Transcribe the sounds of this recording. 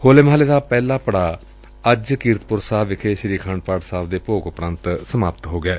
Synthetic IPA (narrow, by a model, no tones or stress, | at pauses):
hoːlemɦaːleːd̪aːpɛːlaːpəɽaː | əd͡ʒkiːɾt̪pʊɾsaːʋɪkʰeːʃəɾiːkʰãːɳɖ̚paːʈsaːd̪eːpoːkʊpɾənt̪səmaːpt̪ɦoːɡɪɛː